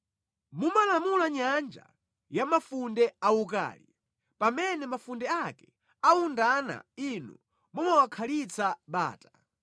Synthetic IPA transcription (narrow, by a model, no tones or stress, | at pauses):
mumalamulaɲand͡ʒa̰ | jamafundɛauk̬a̰ːli | pamɛnɛmafundɛakɛ | aundana̰inṵ | mumawakʰalit͡sʰaɓa̰ːtḁ